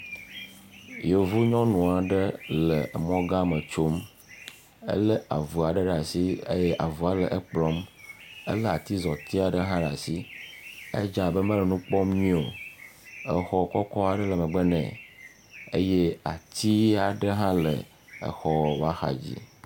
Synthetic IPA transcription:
jo˨vu˦ɲɔ̃˦nũ˨a˨ɖə˦lə˨mɔ̃˦ɡã˦mə˨t͡ʃo˦m | ə̰˦lə˦ʔa̰˨vu˨a˨ɖɛ˦ɖa˨si˦ḛ˦jɛ˦ʔa˨vu˨a˨lɛ˨ʔə˦k͡plɔ˦mə̰˦lɛ˦a˨t̪i˦zɔ˨t̪i˦a˨ɖə˦ɦã˦ɖa˨si˦ | ḛ˦d͡ʒa˨bə˦mə̃˦lɛ˨nũ˦k͡pɔ˦mɲĩ˦o˨ | ə˨xɔ˦˨kɔ˦kɔ˦a˨ɖə˦lə˨mɛ̃˨ɡ͡bɛ˦nɛ̰̃˨ | e˦jɛ˦a̰˨t̪i˦a˨ɖə˦ɦã˦lə̰˨ | ə̰˨xɔ˦˨wa˦xa̰˨d͡ʑḭ˦

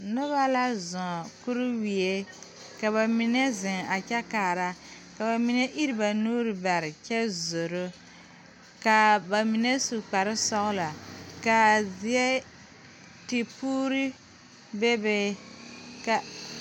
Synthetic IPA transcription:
nʊ˦βa˦la˦zɔ̃˨ku˦ɾʊ˦wi˨e˦ | ka˨βa˨mi˨nɛ˦zɪ˨ŋa˨t͡ʃɛ˦kaː˨ɾa˦ | ka˨ba˨mi˨nɛ˦ʔi˦ɾi˨ba˨nuː˦ɾɨ˨ba˨ɾɪ˨t͡ʃɛ˦zo˨ɾʊ˦ | ka˨ba˨mi˨nɛ˦su˨k͡pa˨ɾɪ˦sɔ˦ɣla˨ka˨zi˨ɛ˦ | ti˨puː˦ɾi˦ | be˦bɛ˦ | ka˨

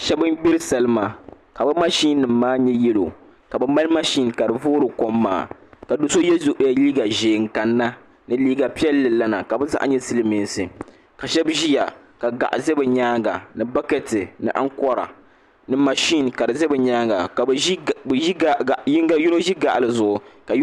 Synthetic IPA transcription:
ʃɛ˦bɨ˦mbi˦ɾɨ˦sa˨lɨ˦ma˨ | ka˨bɨ˦ma˦ʃi˦nː˦ɨ˨mːaː˦ɲɛ˦jɛ˦lo̰˨ | ka˨bɨ˦mba˦lma˦ʃi˦nka˨ɾɨ˨voː˦ɾɨ˨ko˦mːa̰ː˦˨ka˨do˦so˦jɛ˦zu˦ʔja˨liː˦ɡa˨ʒeː˨ŋ̩˨ka˨nːa˦ | nɨ˦liː˦ɡa˨pi˦ɛ˦lːɨ˨la˦na̰˨ka˨bɛ˦za̰˦ʔa̰˦ɲɛ˦sɨ˦lɨ˦mi˨n˦sɨ˨ | ka˨ʃɛ˦bʒi˦ja̰˨ | ka˨ɡa̰˨ʔa˨zɛ˦bɛ˨ɲaː˦ɡa̰˨nɨ˨ba˦kɛ˨tɨ˨nɨ̰˨ʔa˦ŋkɔ˦ɾa̰˨ | nɨ˦ma˨ʃi˦n˨ka˨dɨ˨zɛ˦bɛ˨ɲaː˦ɡa˨ka˨˦bɡa˦ju˦no˦ʒi˦ɡa˨ʔa˨lɨ˨zʊ˨ʔʊ˨ka˨j

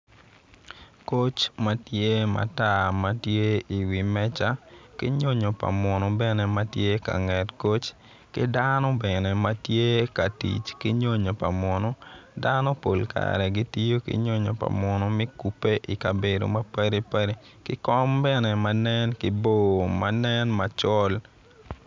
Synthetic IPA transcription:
ko˦t͡ʃma˦tje˦ma̰˨ta˦ma˦tje˦i˨wi˨mɛ˦t͡ʃa˦kɪ̰˦ɲo˦ɲo˨pa̰˨mɔ˨nɔ˦bɛnɛ˦ma˦tje˦ka̰˨ŋɛ˨tko˦t͡ʃ | kɪ˦danɔ˦bɛnɛ˨ma˦tje˦ka˨tḭ˨t͡ʃki˦ɲo˦ɲo˨pa˨mɔ˨nɔ˦danɔ˦po˨lka̰ɾɛ˨ɡi˦ti˦jo˦kḭ˦ɲo˦ɲo˨pa̰˨mɔ˨nɔ˦mɪ˦ku˨pːe˦ʔi˨ka˨be˨do̰˨ma˦pa˦ɾi˦pa˦ɾi˦ | kɪ˦kɔ˦mbɛ˦nɛ˨ma˦nɛ˦nkɪ˦bo˦˨ma˦nɛ˦nma˦t͡ʃɔ˦l

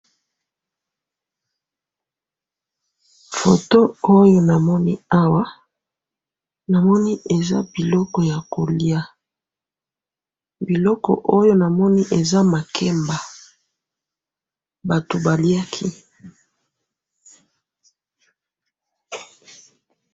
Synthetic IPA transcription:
fo˨to˦o˦jo˦na˨mɔ˦ni˦a˦wa˦ | na˨mɔ˦ni˦e˨za̰˦bi˨lɔ˦kɔ˨ja˨ko˨li˦a˦ | bi˨lɔ˦kɔ̰˨ʔo˦jo˦na˨mɔ˦ni˦ʔe˨za˦ma˨kʰɛ˦mba˨ | ba˨to˨ba˨li˦a˦kʰi˦

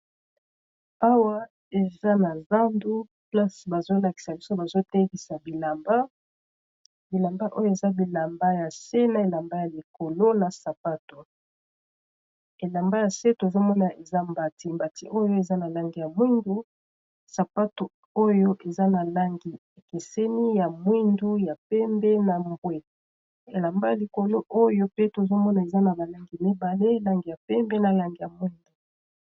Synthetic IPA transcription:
a˦wa˦ | e˨za˦na˨za˦ndu˦ | pla˦si˨ba˨zo˦la˨ki̥˨sa˨bi˦so˦ba˨zo˦te˦ɡi˨sa˨bi˨la˨mba˦ | bi˨la˨mba˦ʔo˦jo˦e˨za˦bi˨la˨mba˦ja˨se˦na˨e˨la˨mba˦ja˨li˨ko˨lo˦na˨sa˨pa˦to˨ | e˨la˨mba˦ja˨se˦to˨zo˦mɔ˦na˨ʔe˨za˦mba˨ti˦mba˨ti˦ʔo˦jo˦e˨za˦na˨la˦ŋɡi˨ja˨mi˦ndu˦ | sa˨pa˦to˨ | o˦jo˦ʔe˨za˦na˨la˦ŋɡi˨ | e˨ke˨sɛ˦ni˦ja˨mwi˦ndu˦ja˨pɛ˦mbɛ˦na˨mbwe˦ | e˨la˨mba˦ja˨li˨ko˨lo˦ʔo˦jo˦pe˦to˨zo˦mɔ˦na˨e˨za˦na˨ba˨la˦ŋɡi˨mi˦ba˨le˦la˨ŋɡi˨ja˨pɛ˦mbe˦na˨la˨ŋɡi˨ja˨mwi˦ndo˨

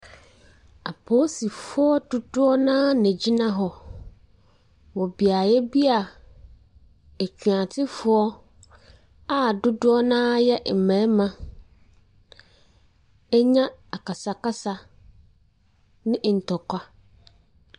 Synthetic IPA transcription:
a˨pʰoː˦si˨fʊ˦ɔ˦dʊ˦dʊ˦ɔ˦nãː˦nɛ̃˨d͡ʑi˦nã˦ɦɔ˨ | wɔ˨bi˨a˨jɛ˦bi˦a˨ | e˨t͡ɕʰᶣu˨ã˨tʰɪ˦fʊ˨ɔ˦ | a˨dʊ˦dʊ˦ɔ˦nãː˦jɛ˦m̩˨mɛ̃˨˦mã˨ | ɛ˦ɲã˦a˨ka˨sa˨ka˦sa˦ | nɪ̃˦˨n̩˨tʰɔ˨kʰʷa˦

